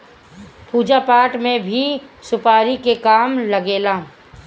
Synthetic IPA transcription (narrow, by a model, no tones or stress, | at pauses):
puːd͡ʒapaːʈmẽbʱisʊpaːɾikekaːmləɡeːlaː